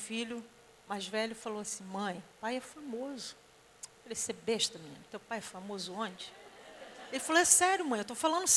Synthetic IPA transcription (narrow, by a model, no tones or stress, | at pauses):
filʊ | majzvɛlʊfaloasĩmɐ̃j̃pajɛfamozʊ | falesebeʃt̪ɐmĩnt̪ewpajɛfamozʊõnt͡ʃɪ̥ | elɪfaloɛsɛɾjʊmɐ̃j̃ewt̪ofalɐ̃nʊs